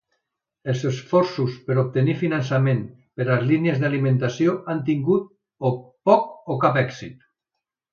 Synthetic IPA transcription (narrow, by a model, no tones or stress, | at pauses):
elˠsesfɔɾsuspəɾop̚t̪enifinans̬amẽm | peɾaezliniezðalimẽnt̪asjoant̪̬iŋɡut̪̚ | opɔkokapɛksit̪